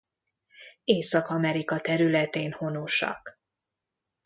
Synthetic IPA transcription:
eːsɒkɒmɛɾikɒt̪ɛɾylɛt̪eːnho̞noʃɒ̰k

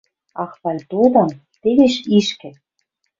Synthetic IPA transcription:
ɑxβɑlʲt̪od̪ɑm | t̪eβeʃiʃkɘ̆

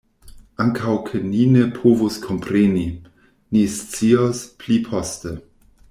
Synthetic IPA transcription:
aŋkʰawkʰeninepʰuvuskʰompɾeni | nist͡siospʰlipʰoste

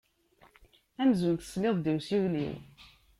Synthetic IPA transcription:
æmzunθə̥sˤlɪðˤd̪iwsiwlḭw

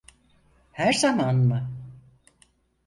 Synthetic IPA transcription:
hæɾzamaːnma

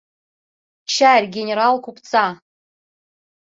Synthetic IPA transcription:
t͡ʃʰarʲɡʲenʲeɾalkʰʷupt͡sʰa

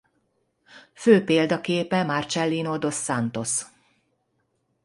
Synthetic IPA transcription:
føːpeːld̪ɒkeːpɛmart͡ʃɛlːinod̪o̞sːant̪o̞s

